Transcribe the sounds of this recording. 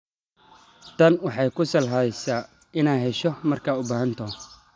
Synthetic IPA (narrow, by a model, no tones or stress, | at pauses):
t̪ʰɐnwɑħɑjkʰʊsɐlɦɐðɛjsaː | ɪnaːɦɛʃɔmɐrkʰaːʊbaːɦɐnt̪ʰɔ